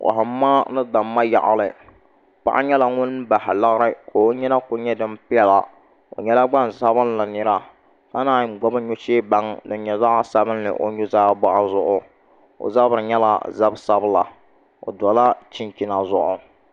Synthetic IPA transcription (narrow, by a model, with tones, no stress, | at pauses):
kʊ̰˨ɦaː˨˦aː˦nɨ˦da˨mːa˦ja̰˨ʔa̰˨lɨ˨ | k͡pa̰˦ʔa̰˦ɲɛ˦la˨ŋʊ˦n˦ba˨ha˨la˦ɣɾɨ˦ko˨o˦ɲɛ˦na˦kʊ˨ɲɛ˦dɨ˦mpɪ˦ɛ˦la˨ | o̰˨ɲɛ˦la˦ɡ͡ba˦nsa˦bɨ˦nla˨nɨ˦ɾa˦ | ka˦naː˦ɡ͡bɔ˦bɨ˦ɲʊ˦t͡ʃeː˦ba˦ŋdɨ˨˦ɲɛ˨za˦ʔa˦sa˦bɨ˦nːɨ̰˨ʔo̰˨ɲʊ˦zaː˦ba˦ʔa˦zʊ˦ʔʊ˨ | o̰˨za˦bɨ˨ɾɨ˨ɲɛ˦la̰˦za˦bsa˦bla̰˨ | o̰˨dɔ˨la˦t͡ʃɪ˦nki˦na˨zʊ˦˨ʔʊ˨